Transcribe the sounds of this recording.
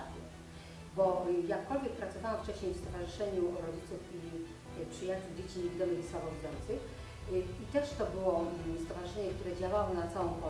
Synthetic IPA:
ɛ | bɔjakːɔlvʲjɛk̚pɾat̪sɔvawaft͡ʂɛɕɲejfst̪ɔvaʐɨʂɛɲuɾɔd͡ʑit̪sufi | pʂɘjat͡ɕuwd͡ʑet͡ɕiɲevʲid̪ɔmɛɣswabɔzujɔnt̪sɘx | it̪ɛʂt̪ɔbɘwɔst̪ɔvaʐɨʂɛɲɛkt̪uɾɛd͡ʑawawɔnat̪sawɔ̃w̃pɔ

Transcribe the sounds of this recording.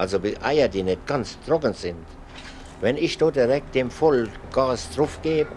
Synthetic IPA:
ʔalzobʔa̰ɪɐdiːnɛt̚ɡ̥ant͡sdʁɔkənzɪnt | vɛnɪçd̥oːd̥iʁɛk̚t̚d̥eːmfɔlɡ̥aːsd̥ʁʊfɡ̥eːb

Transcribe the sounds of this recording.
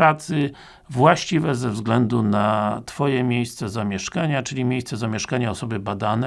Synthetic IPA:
ɾat̪sɘ | vwaɕt͡ɕivɛzɛvzɡlɛnd̪unat̪fɔjɛmʲjejst̪sɛzamʲjɛʂkaɲat͡ʂɘlʲimʲjejst̪sɛzamʲjɛʂkaɲaɔsɔbɘbad̪anɛ

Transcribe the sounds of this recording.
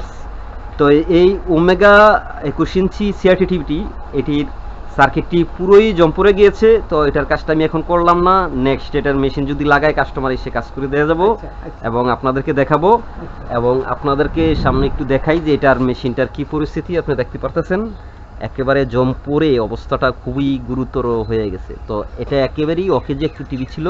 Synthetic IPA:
t̪ɔejomeɡa | ekuʃint͡ɕʰisiaɾʈiʈibʱiʈi | eʈiɾ | saɾkʰeʈʈipuɾojd͡ʑɔmpoɾeɡijet͡ɕʰet̪ɔeʈaɾkad͡ʑʈaamiɛkʰonkoɾlamnanɛksʈaeʈaɾmeʃind͡ʑod̪ʱilaɡaekaʃʈomaɾejʃekad͡ʑkoɾed̪ead͡ʑabo | ḛboŋapnad̪eɾked̪ɛkʰabo | ḛboŋa̰pnad̪eɾkeʃamneek̚ʈud̪ɛkʰajd͡ʑeeʈaɾmeʃinʈaɾkipoɾist̪ʰit̪iapned̪ɛk̚ʰt̪epaɾt̪asʰen | ɛ̰kebaɾed͡ʑɔmpoɾeɔbost̪ʰaʈakʰubiɡuɾut̪ːoɾoɦoeɡɛ̰t͡ɕʰḛt̪oeʈaɛkebaɾejɔked͡ʑeek̚ʈuʈibit͡ɕʰilo

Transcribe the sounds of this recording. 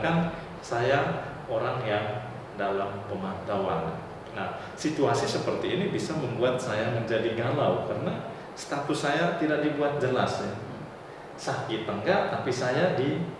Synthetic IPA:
kan | saja | oɾaŋjaŋ | dalampəmant̪awan | nah | sit̪uasisəpərt̪iːnibisaməmbuat̪̚sajaməɲd͡ʒadiɡalawkarəna | st̪at̪ʊsajat̪idaʔ̚dibuat̪̚d͡ʒəlas | sakit̪əŋɡat̪apisajadi

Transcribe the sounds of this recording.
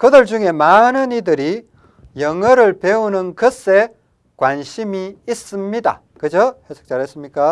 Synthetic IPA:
kɯdɯɭd͡ʑuŋe̞manɯnidɯɾi | jʌŋʌɾɯɭpe̞unɯnkɯs͈e̞ | kwanɕʰimiːs͈ɯmɲida̰ | kɯd͡ʑohesʰo̥k̚t͡ɕ͈aɾɦes͈ɯmɲik͈a

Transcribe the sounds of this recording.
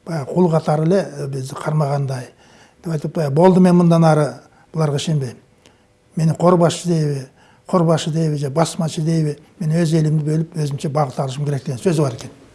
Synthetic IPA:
b̥ɑjɑʁqʰulˠʁqʰɑt̪ʰɑɾɪle̞bɪzd̪ɪqʰɑɾmɑʁɑnd̪ɑj | d̪̥epɑjt̪əp̚t̪ɑjbo̞lˠd̪əme̞nmənd̪ɑnɑɾə | b̥ʊlˠɑɾʁɑʃe̞mbejm | me̞nɪqʰo̞ɾbɑsʃəd̪e̞jβɪ | qʰo̞ɾbɑʃəd̪e̞jβɪʒebɑsmɑʃəd̪e̞jbɪme̞nwɵze̞lɪmd̪ɪbɵlɪpwɵzɪmʃe̞bɑʁət̪ɑlˠəʃ̬əmkʲeɾek̚t̪e̞ɡesɵzɪbɑɾe̞kʲe̞n

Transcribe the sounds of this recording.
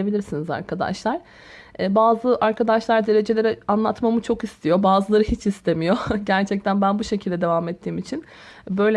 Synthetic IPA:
ebilʲiɾsiniza̰ɾkʰad̪a̰ʃlˠaɾ̥ | ɛːbaːzɯʔaɾkʰad̪aʃlˠaɾd̪e̞ɾe̞d͡ʒe̞lʲe̞ɾɛanlˠat̪mamɯt͡ʃʰo̞kist̪ʰijo̞baːzɯlˠaɾɯɦit͡ʃʰist̪ʰe̞mijo̞ɟæɾt͡ʃʰɛc̚t̪ʰænbænbuʃe̞cʰilʲd̪ɛd̪e̞vamɛt̪ʰːiːmit͡ʃʰin | bø̞jlʲɛ

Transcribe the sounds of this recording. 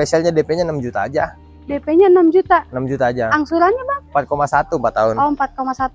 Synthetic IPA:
spesialɲadepɛɲanamd͡ʒut̪aːd͡ʒa | depɛɲanamd͡ʒut̪anamd͡ʒut̪aːd͡ʒaaŋsuɾanɲabampat̪̚komasat̪umpat̪ːaʊnaunmpat̪̚komasat̪u

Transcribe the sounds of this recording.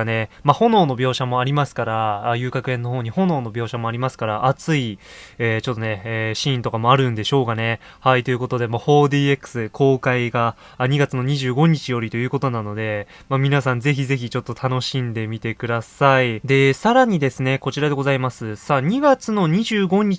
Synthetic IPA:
ne̞maho̞no̞ːno̞bʲjo̞ːɕamo̞aɾʲimasɨ̥kaɾaːjɯːkakɯ̟ẽ̞nːo̞ho̞ːɲ̟iho̞no̞ːno̞bʲo̞ːɕamo̞aɾʲimasɨ̥kaɾaʔːt͡sɨi | eːt͡ɕo̞t̪ːo̞ne̞ːɕĩːnt̪o̞kamo̞aɾɯ̟̃nd̪e̞ɕo̞ːkane̞ | hait̪o̞jɯ̟ko̞t̪o̞d̪e̞maho̞ːd̪iːe̞kːɯ̥sɨkʰo̞ːkaiɡa | ɲ̟iɡat͡sɨno̞ɲ̟iʑɨːɡo̞ɲ̟it͡ɕijo̞ɾʲit̪o̞jɯ̟ːko̞t̪o̞nano̞d̪e̞ | mamʲinasãnd͡ze̞çize̞çit͡ɕo̞t̪ːo̞t̪ʰano̞ɕĩnd̪e̞mʲit̪e̞kɯ̟d̪asaid̪e̞saɾaɲ̟id̪e̞sɨne̞ko̞t͡ɕiɾad̪e̞ɡo̞zaimasɨsaɲ̟iɡat͡sɨno̞ɲ̟iʑɨːɡo̞ɲ̟i

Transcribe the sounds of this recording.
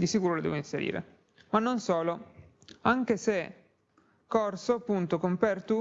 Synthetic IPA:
d̪isikuːɾolod̪ɛ̰ːvoinseɾḭːɾḛ | manːonsɔːlo | aŋk̟ese | kːɔrsoapːunt̪okompɛrt̪u

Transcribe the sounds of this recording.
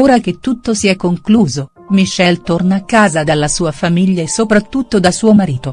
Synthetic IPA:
oːɾak̟et̪ːut̪ːosiɛkːoŋkluːzo | miʃːɛlt̪ornakːaːzad̪alːasuːafamiʎːaesːopɾat̪ːut̪ːod̪asuːomaɾiːt̪o

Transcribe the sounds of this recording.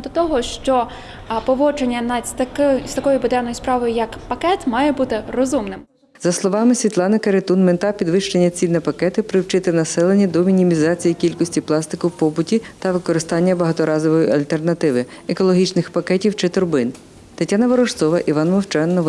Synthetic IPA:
d̪ɔt̪ɔɦɔʃt͡ʃɔ | pɔʋɔt͡ʃenʲːɐnɐt̪ɐkɪst̪ɐkɔjʊbʊd̪ɛnɔjʊspɾɑʋɔjʊjɐkpɐkɛt̪mɑjɛbut̪ɪrɔzumnɪm | zɐslˠɔʋɑmɪsʲʋʲit̪lˠɑnɪkɐɾet̪unmɪnt̪ɑpʲid̪ʋɪʃt͡ʃenʲːɐt͡sʲinɛpɐkɛt̪ɪpɾɪwt͡ʃɪt̪ɪnɐsɛlˠenʲːɐd̪ɔmʲinʲimʲizɑt͡sʲijikʲilʲkɔsʲtʲiplˠɑst̪ɪkʊwpɔbʊtʲit̪ɐʋɪkɔɾɪst̪ɑnʲːɐbɐɦɐt̪ɔɾɑzɔʋɔjiʔɐlʲt̪ernɐt̪ɪʋɪ | ekɔlˠɔɦʲit͡ʃnɪxpɐkɛtʲiwt͡ʃɪt̪ʊɾbɪn | t̪ɪtʲːanɐʋɔɾɔʃt̪sɔʋɐʔiʋɑnmɔwt͡ʃɛnːɔ

